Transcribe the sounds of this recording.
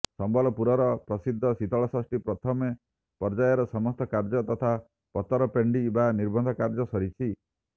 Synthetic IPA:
sɔmbɔlɔpuɾɔɾɔpɾɔsid̪ʱːɔsit̪ɔɭɔsɔsʈipɾɔt̪ʰɔme | pɔɾd͡ʒajɔɾɔsɔmɔst̪ɔkaɾd͡ʒɔt̪ɔt̪ʰa | pɔt̪ɔɾɔpeɳɖibaniɾbɔnd̪ʱɔkaɾd͡ʒɔsɔɾit͡ʃʰi

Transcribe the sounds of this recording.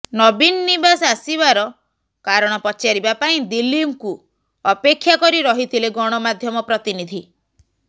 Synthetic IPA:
nɔbinɔnibasasibaɾɔ | kaɾɔɽ̃ɔpɔt͡ʃaɾibapaĩd̪ilimku | ɔpekʰːjakɔɾiɾɔɦit̪ʰileɡɔɽ̃ɔmad̪ʱjɔmɔpɾɔt̪inid̪ʱi

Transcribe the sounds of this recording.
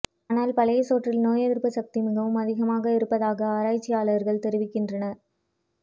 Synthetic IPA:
aːnaːlpɐlɐjɐsoːʈrɪlnoːjɐðɪɾpːɯsɐk̚t̪ɪmɪɣɐʋɯmɐðɪɣɐmaːɣɐɪɾɯpːɐðaːɣɐaːɾaːjt͡ʃːɪjaːɭɐɐɾɣɐɭt̪ɛɾɪʋɪkːɪndrɐnɐɾ

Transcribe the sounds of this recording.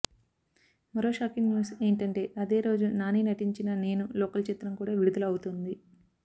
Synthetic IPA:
mɐɾo̞ːʃaːkiŋɡnjuːse̞ːɳʈɐɳʈe̞ːʔɐd̪e̞ːɾo̞ːd͡ʒunaːninɐʈiɲt͡ʃinɐne̞ːnuloːkɐlt͡ʃet̪ɾɐmkuːɽaːʋiɽud̪ɐlɐwut̪und̪i

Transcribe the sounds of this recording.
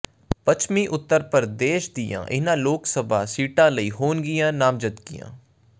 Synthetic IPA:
pət͡ʃʰmĩːʔʊt̪ːəɾpəɾd̪eːʃd̪ɪjã̰ːʔɪnãːloːksəba̰ːsiːʈãːləiːɦoːnɡɪjãːnaːmd͡ʒət̪ɡɪjã̰ː

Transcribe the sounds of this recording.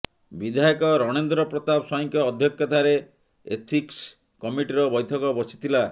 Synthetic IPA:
bid̪ʱajɔkɔɾɔɽ̃end̪ɾɔpɾɔt̪absɔjɔŋkɔːd̪ʱjɔkʰjɔt̪aɾe | ḛt̪ʰiks | kɔmiʈiɾɔbɔjt̪ʰɔkɔbɔsʰi̥t̪ʰila

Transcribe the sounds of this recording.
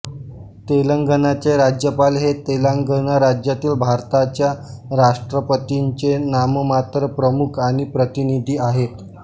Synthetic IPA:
t̪eləŋɡənat͡ɕeɾad͡ʑjəpalɦet̪elaŋɡənaɾad͡ʑjat̪iːlbʱaɾt̪at͡ɕjaɾaʂʈɾəpət̪iɲt͡ɕenaməmat̪ɾəpɾəmukʰaɽ̃ipɾət̪inid̪ʱiːaɦet̪

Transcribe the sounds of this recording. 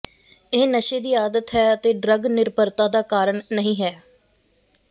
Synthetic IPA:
ɪːnəʃeːd̪iːaːd̪ət̪ɦɛːət̪eːɖɾəɡnɪɾpəɾt̪ãːd̪aːkaːɾəɳːəɦĩːɦɛː

